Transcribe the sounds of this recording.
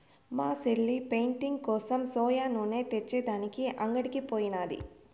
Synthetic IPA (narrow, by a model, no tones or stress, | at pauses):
maːseɭːipejɳʈiŋɡkɔːsɐmsɔːjaːnoːne̞ːt̪et͡ʃːeːd̪aːnikiʔɐŋɡɐɽikipoːjinaːd̪ḭ